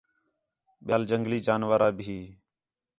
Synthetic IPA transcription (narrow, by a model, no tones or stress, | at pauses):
ɓjaːld͡ʒəŋɡliːd͡ʒaːnʋaːɾaːbɪɦiː